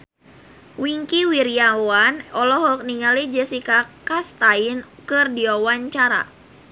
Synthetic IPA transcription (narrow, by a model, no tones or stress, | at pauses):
wiŋkiwiɾiawanɔlɔɦɔk̚niŋalid͡ʒəsikakast̪ainkɨrdiawaɲt͡ʃaɾa̰